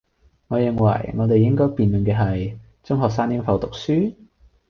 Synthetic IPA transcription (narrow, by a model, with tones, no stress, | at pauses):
ŋɔː˨˧jɪ˨ŋwɐ̰˨˩jŋɔː˨˧t̪e˨jɪ˥ŋkɔː˥jpiː˨njɵ˨˩nkɛː˧ɦɐ˨j | t͡sʊ˥ŋɦɔː˨k̚saː˥njɪ˥ŋfɐ˨˧wt̪ʊ˨k̚syː˥